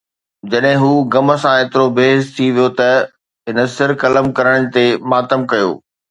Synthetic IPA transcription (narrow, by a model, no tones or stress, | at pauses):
d͡ʑɐɗɦɪ̃ɦuːɡɐmə̆sãeːt̪ɪɾobʱeːzt̪ʰiʋijot̪ɐ | ɦɪnəsɪɾkɐləmkɐɾəɽ̃ɽ̃̆t̪emaːt̪əmkɐjo̰ː